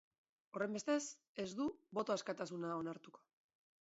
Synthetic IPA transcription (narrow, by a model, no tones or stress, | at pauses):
o̞re̞mbe̞st̪e̞s | e̞zd̪uβo̞t̪oaskat̪asunaonaɾt̪uko̞̥